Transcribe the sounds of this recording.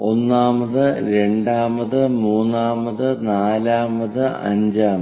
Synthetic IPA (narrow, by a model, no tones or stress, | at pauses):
o̞nːaːmɐðɨɾe̞ɳɖaːmɐðɨmuːnːaːmɐðɨnaːlaːmɐðɨɐ̰ɲd͡ʑaːm